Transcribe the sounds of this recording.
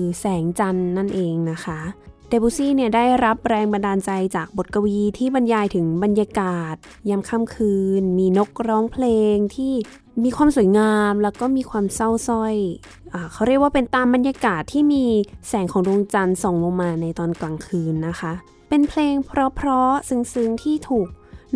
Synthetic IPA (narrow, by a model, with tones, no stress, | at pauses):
ɯ˧sɛː˩˦ŋt͡ɕa˧nːa˥˩nʔeː˧ŋna˦˥kʰa˦˥dɛː˧buː˧siː˥˩ni˥˩ɐdaː˥˩jɾa˦˥p̚ɾɛː˧ŋba˧ndaː˧nt͡ɕa˧jt͡ɕaː˨˩k̚bo˨˩t̪̚ka˧wiː˧t̪ʰiː˥˩ba˧njaː˧jt̪ʰɯ˩˦ŋba˧njaː˧kaː˨˩t̪̚ | ja˧mkʰa˧˥˨mkʰɯː˧nmiː˧no˦˥k̚ɾɔː˦˥ŋpʰleː˧ŋt̪ʰiː˥˩ | miː˧kʰwaː˧msu˩˦jŋaː˧mlɛː˦˧˥wkɔː˥˩miː˧kʰwaː˧msa˥˩wsɔ˥˩j | ʔaː˨˩kʰa˦ɾi˥˩k̚waː˥˩pe˧nt̪aː˧mba˧njaː˧kaː˨˩t̪ʰːiː˥˩miː˧sɛː˩˦ŋkʰɔː˨˩˦ŋdu˧ŋt͡ɕa˧nsɔː˨˦ŋmo˧maː˧na˧jt̪ɔː˧nklaː˨˩ŋkʰɯː˧nːa˦˥kʰa˦˥ | pe˧npʰleː˧ŋpʰɾɔ˦˥pʰɾɔ˦˥sɯ˧ŋsɯ˧ŋt̪ʰiː˥˩t̪ʰuː˨˩k̚